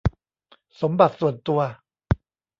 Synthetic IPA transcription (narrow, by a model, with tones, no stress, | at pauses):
so˩˦mba˨˩t̪̚su˨˩ənt̪u˧ɐ